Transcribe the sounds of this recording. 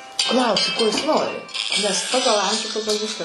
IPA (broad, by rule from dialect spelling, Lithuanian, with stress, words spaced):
ˈklˠɐʊsʲɪ ˈkoː jɪs ˈnoːrʲɪ nʲɛs ˈpɑːɡɐlˠ ˈɐmʲʒʲuː ˈpɑːɡɐlˠ ˈʋʲɪskɐ